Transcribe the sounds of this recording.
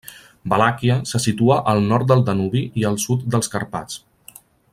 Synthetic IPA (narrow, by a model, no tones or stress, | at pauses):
bəlakiəsəsit̪uaʔəlˠnɔɾt̪̚d̪əlˠd̪ənuβiʔiəlˠsut̪̚d̪əlˠskəɾpa̰t͡s